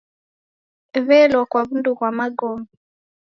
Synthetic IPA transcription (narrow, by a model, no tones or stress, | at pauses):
βɛlɔkwaβunduɣwamaɡɔmi